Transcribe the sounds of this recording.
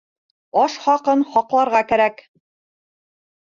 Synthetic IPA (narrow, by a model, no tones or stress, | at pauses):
ɒʃχɑqɤnχɒqlˠɑɾʁɑkæɾæk